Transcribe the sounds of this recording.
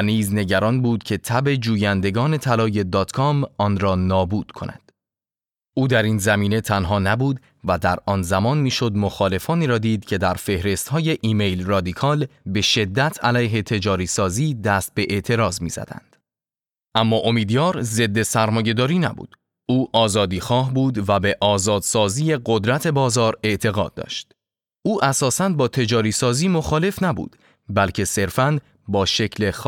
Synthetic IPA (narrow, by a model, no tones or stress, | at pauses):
niːzne̞ɟæɾɒnbuːd̪cʰe̞t̪ʰæbe̞d͡ʒuːjænd̪e̞ɡɒːne̞t̪ʰælɒːje̞d̪ɒːt̪kʰɒmɒːnɾɒːnɒːbuːd̪̥kʰo̞nʔæ̰nd̪̥ | ʔuːd̪æɾiːnzæmiːne̞t̪ʰænɦɒːnæbuːd̪ | væd̪æɾɒːnzæmɒːnmiːʃo̞d̪mo̞xɒːle̞fɒːniːɾɒːd̪iːd̪̚cʰe̞d̪æɾfe̞hɾe̞st̪hɒːje̞ʔiːme̞jlrɒːd̪ikʰɒːlbe̞ʃe̞d̪ːæt̪ʰælæjɦe̞t̪ʰe̞d͡ʒɒːɾiːsɒːziːd̪æst̪̚be̞ʔe̞ʔt̪ʰe̞ɾɒːzmḭːz̥æ̰d̪æ̰nd̪̥ | ʔæmːɒːʔomiːd̪jɒːɾze̞d̪ːe̞sæɾmɒːje̞d̪ɒːɾiːnæ̰bṵːd̪̥ | uːʔɒːzɒːd̪iːxɒːɦbuːd̪væbe̞ʔɒːzɒːd̪sɒːziːje̞ɡo̞d̪ɾæt̪ʰe̞bɒːzɒːɾe̞ʔt̪ʰe̞ɣɒːd̪̚ːɒ̰ːʃt̪ | ʔuːʔæsɒːsænbɒːt̪ʰe̞d͡ʒɒːɾiːsɒːziːmo̞xɒːle̞fnæbṵːd̪̥ | bælcʰe̞se̞ɾfæn | bɒːʃe̞cʰle̞x